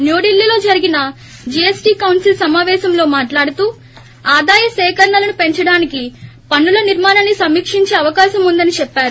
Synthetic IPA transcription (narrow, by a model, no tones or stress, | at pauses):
njoːɽilːilo̞ːd͡ʒɐɾiɡinɐ | d͡ʒiesʈiːkɐwnsilsɐmaːʋɛːʃɐmlo̞ːmaːʈlaːɽut̪uː | aːd̪aːjɐsɛːkɐɾɳɐlɐnupe̞ɲt͡ʃɐɽaːnikipɐɳːulɐniɾmaːnɐnːisɐmːiːkʂiɲt͡ʃe̞ːɐʋɐkaːʃɐmund̪ɐnit͡ʃɛpːaːɾu